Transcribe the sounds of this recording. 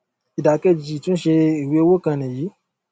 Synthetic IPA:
i˨da˨˦kɛ˧d͡ʒi˨tũ˦ʃe˧i˨we˨˧o˦˧wo˦kã˧˨nɛ̃˨ji˨˦

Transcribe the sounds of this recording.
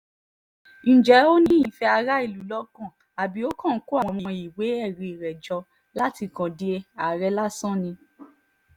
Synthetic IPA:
n̩˨d͡ʒɛ˨˦o˦ñĩ˦i˦˨fɛ˧a˧ɾa˦i˦˨lu˨˦lɔ˧˦kã˦˨ | a˨bi˨˦o˦kã˦˨n̩˦ko˦a˦˨wɔ̃˧mɔ̃˧˨˧i˨we˨˦ɛ˦˨ɾe˨ɾɛ˨d͡ʒɔ˧ | la˦ti˧kã˨di˦e˧a˨ɾɛ˧˦la˦sã˦˨nĩ˧

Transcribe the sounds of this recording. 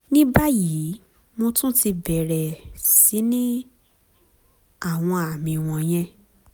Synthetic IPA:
nĩ˦ba˦ji˨˦ | mõ˧tũ˦ti˧bɛ˨ɾɛ˨si˨˦nĩ˦ | a˦˨w̃ɔ̃˧a˨mĩ˧w̃ɔ̃˧j̃ɛ̃˦

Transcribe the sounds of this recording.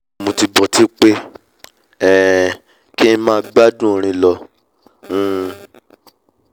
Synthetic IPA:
mõ˨ti˧bɔ˨ti˦k͡pe˦ | ɛ˦˨ | ki˦ñ̩˦mãː˦ɡ͡ba˦dũ˦˨ɾ̃ĩ˧lɔ̃˧˦

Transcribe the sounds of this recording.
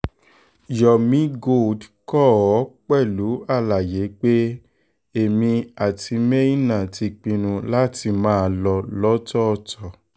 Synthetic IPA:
jɔ˨mĩ˨˦ɡo˦˨dkɔ˦ɔ˨˦k͡pɛ˦˨lu˨˦a˦˨la˨je˨˦k͡pe˦ | e˨mĩ˧a˨tʰi˧mɛ̃˦i˦˨nã˦˨ti˧k͡pĩ˧nũ˧la˦ti˧mãː˦˧lɔ˧lɔ˦tɔ˦˧˨tɔ˨

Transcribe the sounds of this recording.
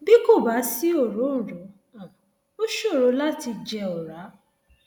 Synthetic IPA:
bi˦ko˦˨ba˨˦si˦o˦˨ɾo˨˦ñ̩˨ɾɔ˨˦ | ã˨ | o˦ʃo˦˨ɾo˨˧˦la˦ti˧d͡ʒɛ˧ɔ˨ɾa˨˦

